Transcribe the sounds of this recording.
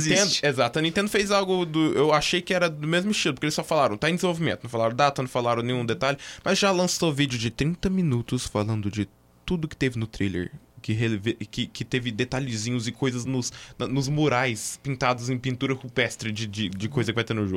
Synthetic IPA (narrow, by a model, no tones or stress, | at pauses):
d̪ʊezat̪ʊɐnĩt̪ẽnd̪ʊfezawɡʊd̪ʊewaʃejkɪɛɾɐd̪ʊmezmʊɪst͡ʃilʊpoɾkelɪsɔfalaɾɐ̃t̪aɐ̃ẽd̪ɪzẽvowvimẽt̪ʊnɐ̃w̃falaɾɐ̃d̪at̪ɐnɐ̃w̃falaɾɐ̃w̃nẽj̃ũd̪et̪aʎɪmɐzʒalɐ̃sovid͡ʒɪʊd͡ʒɪt̪ɾĩnt̪ɐmĩnut̪ʊsfalɐ̃nd̪ʊd͡ʒɪ | t̪ud̪ʊkɪ̥t̪evɪnʊt̪ɾilḛɾ | kɪɦevekɪkɪt̪evɪd̪et̪aʎɪzĩɲʊzɪkʰojzɐznʊsɐnʊzmoɾajspĩnt̪ad̪ʊzẽj̃pĩnt̪uɾɐhupɛst̪ɾɪd͡ʒɪd͡ʒɪd͡ʒɪkojzɐkɪvajt̪eɾnʊʒo̰ɡʊ